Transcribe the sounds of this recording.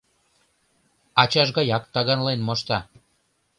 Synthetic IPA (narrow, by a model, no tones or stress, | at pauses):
ɑt͡ɕɑʒɣɑjɑkt̪ɑɣɑnlenmoʃt̪ɑ